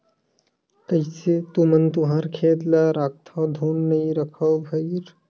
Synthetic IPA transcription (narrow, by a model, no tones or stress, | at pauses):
k̪əjset̪umənt̪uɦaːɾkʰeːd̪laɾaːk̚t̪ʰad̪ʱuːnːəĩɾəkʰəwbʱəjɾ